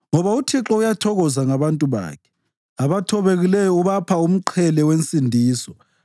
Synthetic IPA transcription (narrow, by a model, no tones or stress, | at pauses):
ŋɔβautʰiǁɔujatʰɔɣɔzaŋaβantʼuβa̰ːkʰɛ̥ | aβatʰɔβeɣilɛjɔuβapʰaum̩ǃʰɛlɛwent͡sʼindʱiːsɔ